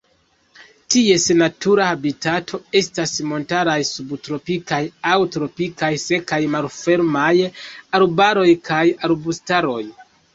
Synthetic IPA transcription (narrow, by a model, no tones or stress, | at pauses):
tie̞senatʰuɾahabitatʰo̞e̞stasmo̞ntaɾajsubtɾo̞pikajawtɾo̞pikajse̞kajmalfe̞ɾmajaɾbaɾo̞jkʰajaɾbustaɾo̞j